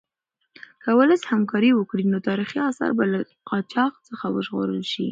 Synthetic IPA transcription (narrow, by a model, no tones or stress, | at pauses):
kəwəlashamkɑɾiwəkɽinot̪ɑɾixiɑsɑ̰ɾbala | qʰɑt͡ʃɑqt͡səxawə̰ʒɣo̰ɾəlʃḭ